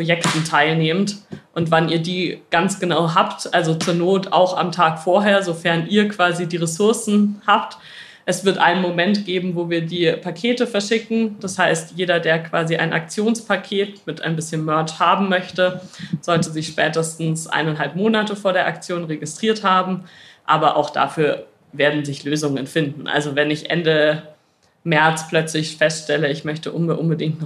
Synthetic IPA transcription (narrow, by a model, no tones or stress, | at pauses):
ʁ̥ojɛktn̩tʰaɪlneːmtʔʊntv̥aniːɐdiːɡ̥ant͡sɡ̥ənaʊɦaːptʔalzot͡suːɐnoːta̰ʊxa̰mtʰaːkfoːɐɦeːɐzofɛɐnʔiːɐkv̥aːzidiːʁesʊɐsn̩haːpt | ʔɛsv̥ɪɐtʔa̰ɪnənmomɛntɡ̥eːbm̩voːviːɐdiːpʰakʰeːtəfɛɐʃɪkŋ̩d̥ashaɪstjeːɾɐdeːɐkv̥aːziʔa̰ɪnʔa̰k̚t͡sjoːnspʰakʰeːtmɪtʔa̰ɪnbɪsçənmœɐt͡ʃhaːbm̩mœçtəz̥ɔltəzɪçʃpɛ̰ːtəstn̩sʔa̰ɪnanɦalpmoːnatəfoːɐɾeːɐʔak̚t͡sjoːnʁeɡɪstʁ̥iːɐthaːbm̩ʔaːbɐʔa̰ʊxd̥a̰fyːɐ | veːɐdn̩zɪçløːzʊŋənfɪndn̩ʔa̰lzovɛnɪçʔɛ̰ndə | mɛɐt͡spl̥œt͡slɪçfɛstʃtɛləɪçmœçtəʔʊnʔʊnbədɪŋ̚tn